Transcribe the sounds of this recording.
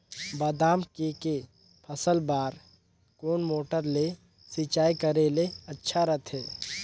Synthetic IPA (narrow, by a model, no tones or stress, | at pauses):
baːd̪aːmkeke | pʰəsəlbaːɾ | koːnmoːʈəɾle | sit͡ʃaːikəɾeleɐtːʃʰaɾət̪ʰɦeː